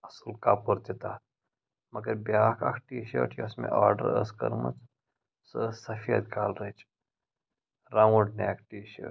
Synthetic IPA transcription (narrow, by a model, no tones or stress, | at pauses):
ɐsɨlkaːpuɾt̪it̪aːt̪̚ | mɐɡɐɾbjaːkʰɐ̰kʰʈiːʃo̰ːʈʰjɐsmḛ̃ʔaːɾɖə̰ɾə̰skɐ̰ɾmɐ̰t͡s | səsɐfijɐ̰d̪̚kaːlɾet͡ʃ | ɾawuɖneːkʈiːʃḛː